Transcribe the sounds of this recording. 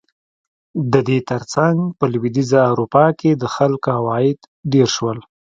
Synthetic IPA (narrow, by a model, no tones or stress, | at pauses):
d̪əd̪et̪əɾt͡saŋɡpəlwid̪izaawɾupɑked̪əxalkohawɑɪd̪ | d̪eɾʃwəl